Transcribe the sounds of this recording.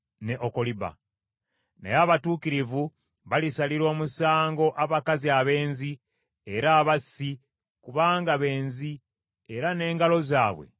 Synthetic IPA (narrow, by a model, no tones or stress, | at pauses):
ne̞ʔoko̞liba̰ | nḛjaːβatuːkiɾivu | βalisaliɾo̞ːmusaːŋɡo̞ʔaβakaziaβe̞ːnzi | eɾaːβasi | kuβaːŋɡaβe̞ːnzi | eɾane̞ːŋɡalo̞zaːβwe̞̰